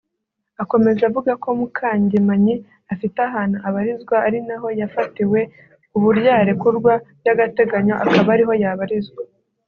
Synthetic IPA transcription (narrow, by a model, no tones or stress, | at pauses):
ako̞me̞zavuɡako̞mukʰaːɲɟemaɲi | afitaɦaːn̥huaβaɾizɡwaːɾinaɦo̞jafatiwe̞ | uβuɾjaːɾe̞kuɾɡwabjaɡate̞ɡaɲo̞ʔakaβaːɾiɦo̞jaβaɾizɡwa